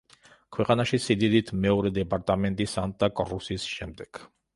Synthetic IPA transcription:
kʰwɛqʼanaʃisid̪id̪it̪ʰmɛɔɾɛd̪ɛpʼaɾt̪ʼamɛnt̪ʼisanʼakʼɔɾusisʃɛmd̪ɛɡ̥

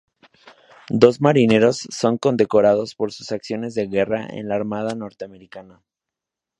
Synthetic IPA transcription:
d̪o̞zmaɾine̞ɾo̞sːo̞ŋko̞nd̪e̞ko̞ɾað̞o̞spo̞ɾsu̥saksjo̞ne̞zðe̞ɣe̞ra̰ʔḛnlaːɾmað̞ano̞ɾt̪eame̞ɾikana

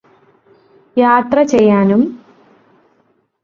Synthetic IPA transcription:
jaːt̪rɐt͡ɕejːaːnum

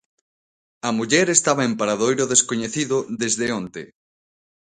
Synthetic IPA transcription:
ɐmuʎɛɾest̪aβ̞aempaɾaðojɾoðeskoɲeθiðʊðezðeont̪ḛ

